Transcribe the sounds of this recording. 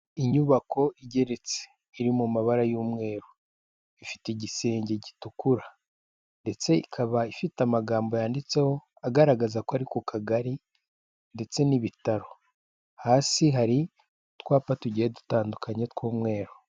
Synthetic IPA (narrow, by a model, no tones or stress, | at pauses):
iɲuβakʰo̞iɟe̞ɾe̞t͡se̥ | iɾimumaβaɾajuːmŋe̞ːɾo | ifi̥teɟise̞ːɲɟeɟitukuɾa | nde̞t͡se̞ikʰaβaifitamaɡaːmbo̞jaːndit͡se̞ho̞ | aɡaɾaɡazakoaɾikukʰaɡaɾi | nde̞t͡se̞niβitaɾo̞ | haːsiɦaɾi | tkwaːpatuɟihedu̥taːndukʰaɲetkwuːmŋe̞ːɾo